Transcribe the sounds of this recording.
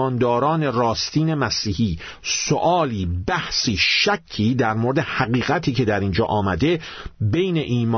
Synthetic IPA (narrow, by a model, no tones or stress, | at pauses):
ɒːnd̪ɒːɾɒːne̞rɒːst̪iːne̞mæsiːhiː | soʔɒːliːbæhsiːʃæcʰːiːd̪æɾmoɾed̪e̞hæɣiːɣæt̪ʰiːce̞d̪æɾind͡ʒɒ̰ːʔɒːmæd̪e̞bejne̞ʔiːmː